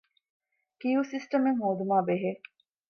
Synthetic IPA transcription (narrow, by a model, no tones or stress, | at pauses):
kijusisʈɐmeŋɦoːd̪umaːbeɦe